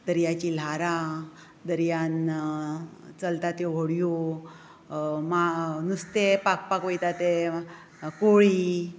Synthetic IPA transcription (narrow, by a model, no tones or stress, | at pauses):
d̪əɾjat͡ɕil̤aɾa | d̪əɾjan | t͡səlt̪at̪joʋoɽjo | manust̪epak̚pakojt̪at̪e | koɭi